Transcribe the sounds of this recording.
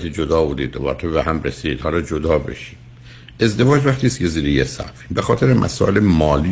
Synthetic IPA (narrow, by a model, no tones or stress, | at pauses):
t̪ʰid͡ʒod̪ɒːbuːd̪ḭd̪ːobɒ̰ɾt̪ʰobehæmɾesid̪hɒːlɒːd͡ʒod̪ɒːbḛʃi̥d | ʔe̞zd̪e̞vɒːd͡ʒvæxt̪iːst̪kcʰe̞ziːɾejesæ̰fibexɒːt̪ʰeɾemʔæ̰sɒ̰ːʔelemɒːli